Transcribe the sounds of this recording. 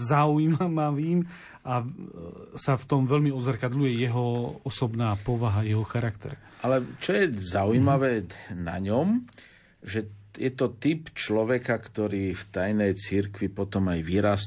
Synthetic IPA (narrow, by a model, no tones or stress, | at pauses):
zaujmamaʋiːm | a | saft̪ɔmʋɛlmiɔd̪zaɾkad̪lujɛjɛɦɔɔsɔbnaːpɔʋaɦajɛɦɔxaɾakt̪ɛ̰ɾ | ʔalɛt͡ʃɔjɛzaujmaʋɛːna̰ɲɔm | ʒɛjɛt̪ɔt̪ipt͡ʃlɔʋɛkakt̪ɔɾiːft̪ajnɛjt͡siɾkʋipɔt̪ɔmajʋiɾas